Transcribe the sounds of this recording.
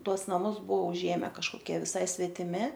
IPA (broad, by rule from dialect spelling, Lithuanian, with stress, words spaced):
ˈtuɔs nɐˈmʊs ˈbuɔ ʊˈʒʲeːmʲɛ kɐʃkoːˈkʲiɛ ʋʲɪˈsɐɪ sʲʋʲɛtʲɪˈmʲɪ